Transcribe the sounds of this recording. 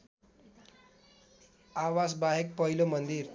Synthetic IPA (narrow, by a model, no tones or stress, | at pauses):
aʋasbaɦek̚pəɦilomənd̪iːɾ